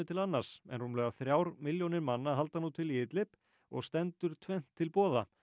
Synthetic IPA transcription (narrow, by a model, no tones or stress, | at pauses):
ʏt̪ʰɪlanːaɾ̥sɛ̰nhunlœːɣaθɾjaːwɾmɪljownɪɾmanːaɦalt̪anːut̪ʰɪliɪt̪lɪp | ɔ̰ɣst̪ɛnt̪ʏɾ̥t̪ʰvɛjn̥t̪ʰːɪlpɔːða̰